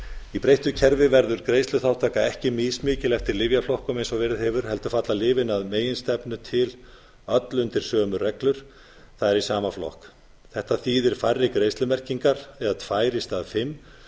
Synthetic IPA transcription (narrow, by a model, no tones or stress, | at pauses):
ipɾejht̪ʏcʰɛɾvɪvɛɾðʏɾkɾejst̪lʏθaw̥t̪ʰaːkaɛhcɪmɪːsmɪːcɪlɛft̪ɪɾlɪvjaflɔhkɔmejnsɔvɛːɾɪðhɪvʏɾ̥hɛlt̪ʏ̥fat̪lalɪːvɪnaðmeːjɪnst̪ɛpnʏt̪ʰɪl | œt̪lʏnt̪ɪɾ̥sœːmʏrɛklʏɾ̥ | θaðɛɾisaːmaflɔ̰hk | θɛht̪aθiːðɪɾ̥farːɪkɾejst̪lʏmɛr̥ciŋkaɾɛðat̪ʰvaːjɾɪst̪aðfɪmː